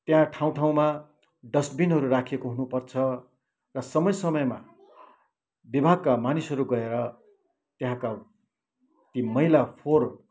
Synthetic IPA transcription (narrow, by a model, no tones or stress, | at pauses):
t̪jɦãʈʰaw̃ʈʰaw̃ma | ɖʌsbinɦʌɾurakʰekoɦunupʌrt͡sʰʌ | rʌsʌmʌjsʌmʌjma | bibʱaɡ̚kamanisɦʌɾuɡʌeɾʌ | t̪jeɦãka | t̪imʌɦilapʰor